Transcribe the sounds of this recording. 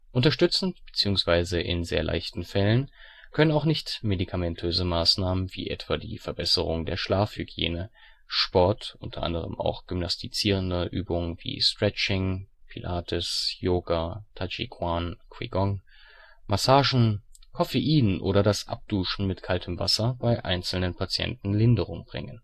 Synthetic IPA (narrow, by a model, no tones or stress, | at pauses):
ʔʊntɐʃtʏt͡sn̩b̥ə̥t͡siːʊŋsv̥aɪzəʔɪ̰nzḛːɐlʔa̰ɪçtn̩fɛlən | kʰœnənaʊxnɪçtmedikʰamɛntʰøːzəmaːsnaːmənvḭːʔɛtv̥aːdḭːfɛɐbɛsəʁʊŋdḛːɐʃlaːfhyɡjḛːnə | ʃpɔɐtʔʊ̰ntʰɐʔa̰ndəʁ̞ə̰ma̰ʊxɡ̥ʏmnastʰit͡siːʁ̞əndəʔyːbʊŋənvḭːstʁ̥ɛt͡ʃɪŋpʰilʔaːtʰʊsjoːɡaːtʰat͡ʃḭkʰwaːnkʰw̥ḭɡɔŋ | masaːʒn̩kʰɔfeʔiːnʔo̰ːɾɐdasʔa̰p̚d̥uːʃn̩mɪtkʰaltʰəmva̰sɐbaɪʔa̰ɪnt͡sl̩nənpʰat͡sjɛ̰ntn̩lɪndəʁʊŋbʁɪ̰ŋən